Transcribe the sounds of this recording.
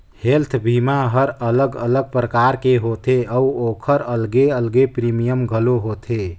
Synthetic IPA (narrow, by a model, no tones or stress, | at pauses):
helt̪ʰbʱimaɦəɾələɡələɡ̚pɾəkaɾkeɦot̪eəuokʰəɾəlɡeəlɡepɾimijəmɡʱəloɦot̪ʰe